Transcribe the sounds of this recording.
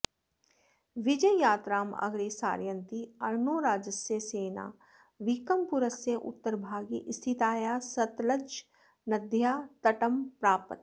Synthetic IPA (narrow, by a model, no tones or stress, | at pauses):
ʋɪd͡ʒəjjaːt̪ɾaːmɐ̰ɡɾiːsa̰ːɾjənt̪iɐɾnoːɾaːd͡ʒəsjeseːna̰ː | ʋikəmpʊɾəsjeʔʊ̰t̪ːəɾbʱaːɡiʔst̪ʰit̪aːjaːsɐt̪ləd͡ʒ | nɐd̪ʱjaːt̪ɐʈəmpɾaːpət̪